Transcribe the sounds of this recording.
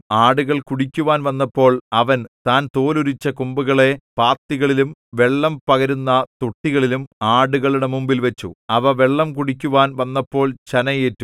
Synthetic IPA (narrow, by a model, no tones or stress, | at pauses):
aːɽuɣɐɭkuɽikʲːuʋaːnʋɐnːɐpːo̞ːɭɐʋɐnt̪aːnt̪oːluɾit͡ɕːɐkumbuɣɐɭe̞paːt̪ːiɣɐɭilumʋe̞ɭːɐmpɐɣɐɾunːɐt̪uʈːiɣɐɭilumaːɽuɣɐɭuɽe̞mumbilʋet͡ɕːṵɐʋɐʋeɭːɐmkuɽikʲːuʋaːnʋɐnːɐpːo̞ːɭt͡ɕɐnɐjeːtːu